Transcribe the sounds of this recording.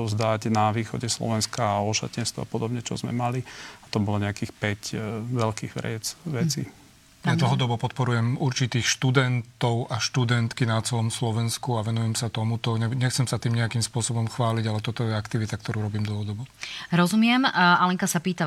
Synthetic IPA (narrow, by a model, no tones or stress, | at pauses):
zd̪aɟnaʋiːxɔ̰ɟɛslɔ̰ʋɛnskaɔʃa̰cɛnst̪ɔ̰apɔd̪ɔbɲɛt͡ʃɔ̰zmɛ̰maliat̪ɔbɔlɔɲɛakiːxpɛcʋɛlkiːɣʋɾɪ̰ɛt͡sʋɛt͡sḭ | ad̪l̩ɦɔd̪ɔbɔpɔt̪̚pɔɾujɛmuɾt͡ʃit̪iːxʃt̪ud̪ɛnt̪ɔʊʔaʃt̪ud̪ɛnt̪kinat͡sɛlɔmslɔʋɛnskuaʋɛnujɛmsat̪ɔmut̪ɔɲɛɲɛxt͡sɛmsat̪iːmɲɛakimspʊɔsɔbɔmxʋaːliɟalɛt̪ɔt̪ɔjɛakt̪iʋit̪ak̚t̪ɔɾuːɾɔbiːmd̪l̩ɦɔd̪ɔbɔɾɔzumɪɛmalɛŋkasapiːt̪a